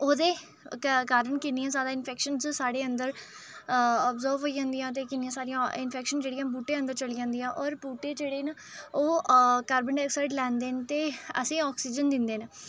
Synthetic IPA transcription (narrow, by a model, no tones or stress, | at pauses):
oːd̪eː | kaːɾəɳkɪniːãːsaːd̪ãːɪnpʰɛːkʃənt͡ʃsaːɽeːənd̪əɾ | ɔːpzəːɾbɦoːiːd͡ʒãːnd̪ijãːt̪̬eːkɪnːijãːsaːɾijãːɪnpʰɛːkʃənd͡ʒeːɽijãːbuːʈẽːənd̪əɾt͡ʃəliːd͡ʒãːnd̪ijãːʔɔːɾpuːʈeːd͡ʒeːɽeːn | oːkaːɾbəɳɖɛːksaːɪʈlɛːnd̪eːnt̪eːə̰sĩːɔːksiːd͡ʒənd̪ɪnd̪eːn